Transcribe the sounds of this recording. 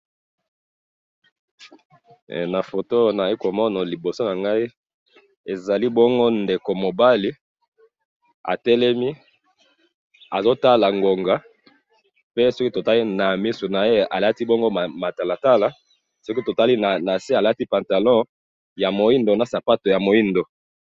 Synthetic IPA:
na˨fo˨to˦na˨e˦ko˨mɔ˦nɔ˨li˨bo˨so˦na˨ŋɡa˦i˦ | e˨za˨li˦bɔ˦ŋɡo˦nde˨ko˨mo˨ba˦li˨˦ | a̰˨tɛ˦lɛ˦mi˦ | a˨zo˦ta˦la˨ŋɡo˨ŋɡa˨˦ | pe˦so˦ki˦to˨ta˦li˦na˨mi˦su˨na˨e˦a̰˨la˦ti˦bɔ˦ŋɡo˦˨ma˨ta˨la˨ta˦la˨ | so˦ki˦to˨ta˦li˦na˨na˨se˦a˨la˦ti˦pa˨nta˨lɔ̃˦ | ja˨mo˨i˦ndo˨na˨sa˨pa˦to˨ja˨mo˨i˦ndo˨

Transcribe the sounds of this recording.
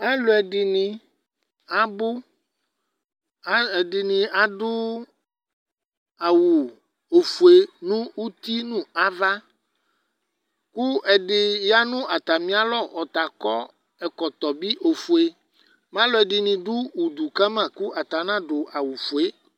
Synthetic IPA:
a˦lo˨ɛ˨ɖi˨nĩ˨ | a˨bo˦ | ɛ˨ɖi˨nĩ˨a˨ɖu˦ | a˨wu˨ | o˨fu˨e˨nũ˦wu˦t̪i˦nũ˦a˦va˦ | ku˦ʔɛ˨ɖɪ˨ja˦nũ˦ʔa˨t̪a˨mĩ˦a˨lɔ˦˨ʔɔ˨t̪a˨kɔ˦ | ɛ˨kɔ˨t̪ɔ˨bi˦ʔo˨fu˨e˦ | mã˦lo˦ɛ˨ɖi˨nĩ˨ɖu˦u˨d̪u˨ka˦mã˨ku˦ʔa˨t̪a˨nã˦ɖo˨ʔa˨wu˨fu˨e˦

